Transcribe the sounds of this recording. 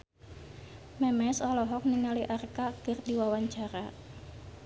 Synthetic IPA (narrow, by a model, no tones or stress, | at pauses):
mɛmɛsɔlɔɦɔk̚niŋaliʔarkaɡ̥ərdiwawaɲt͡ʃaɾa